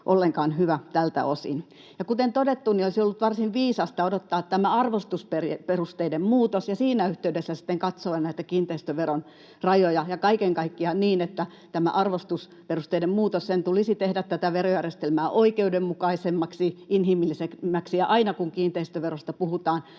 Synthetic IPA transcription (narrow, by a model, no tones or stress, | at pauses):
ʔolːeŋkɑːnhyʋæt̪ælt̪æ̰osḭn | jɑkut̪ent̪odet̪ːuniolisiolːut̪ʋɑrsinʋiːsɑst̪ɑodot̪ːɑːt̪t̪æmæɑrʋost̪usperperust̪eidemmuːt̪osjɑsiːnæyht̪eydesːæsi̥t̪ːeŋkɑt̪soɑnnæit̪ækiːnt̪eist̪øʋeron | rɑjojɑjɑkɑikeŋkɑikːiɑniːnet̪ːæ | t̪æmæ̰ʔɑrʋost̪us | perust̪einemmuːt̪ossent̪ulisit̪ehdæt̪t̪æt̪æʋerojærjest̪elmæːʔoikeudemmukɑisemːɑksiinhimilːisekmːæksiɑʔɑinɑkuŋkiːnt̪eist̪øʋerost̪ɑpuhut̪ɑːn